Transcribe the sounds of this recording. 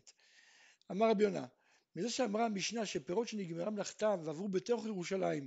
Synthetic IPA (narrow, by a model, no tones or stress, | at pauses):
amaʁabjona̰ | mizeʃeamʁamiʃnaʃepeʁo̞t̪ʃeniɡmeʁamlaχt̪amveavʁube̞t̪o̞χjeʁuʃalaim